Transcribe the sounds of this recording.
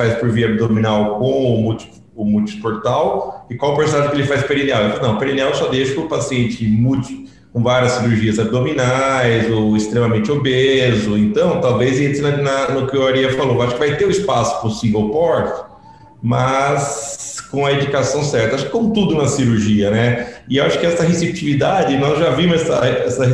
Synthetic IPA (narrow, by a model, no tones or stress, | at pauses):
fajspʊɾviɐab̚d̪omĩnawkõw̃ʊmut͡ʃi̥ | ʊmut͡ʃi̥spoɾt̪awɪkwawɐpeɾsonaʒɪ̃kelɪfajzpeɾinawefalnɐ̃w̃peɾiniawsɔd̪ejʃʊkɪʊpasiẽnt͡ʃɪmut͡ʃɪ̥ | kõvaɾiɐsːiɾuɾʒiɐzab̚d̪ominajzoɪst̪ɾẽmɐmẽnt͡ʃɪobezʊẽnt̪ɐ̃w̃t̪awvezẽnt̪ɪnɐnɐnʊkɪaɾiɐfaloewaʃʊkɪvajt̪eʊɪspasʊ̥pɾʊsĩvowpɔɾt̪ɪ̥ | mɐskõɐed͡ʒikasɐ̃w̃sɛɾt̪ɐwaʃʊkɪ̥kõmʊt̪ud̪ʊnɐsiɾuɾʒiɐnɛɪewaʃʊ̥kɪɛsɐɦesep̚t͡ʃivid̪ad͡ʒɪnɔzʒavĩmʊzɛsɐ̰ɛsɐɦ